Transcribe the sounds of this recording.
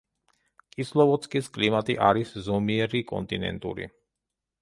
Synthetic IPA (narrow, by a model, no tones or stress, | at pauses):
kʼislˠɔvɔt̪skʼiskʼlimat̪ʼiʔaɾiszɔmiɛɾikʼɔ̰nt̪ʼinɛ̰nt̪ʼṵɾḭ